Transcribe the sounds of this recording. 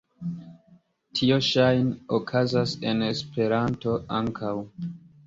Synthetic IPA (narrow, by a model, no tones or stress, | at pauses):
tʰio̞ʃajnokʰazase̞ne̞spe̞ɾanto̞aŋkʰaw